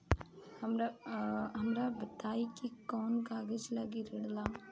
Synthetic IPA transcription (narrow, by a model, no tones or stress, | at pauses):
hɐmɾaɦɐmɾabət̪aːikikɔːnkaːɡəd͡ʒlɐɡiɾəɽlaː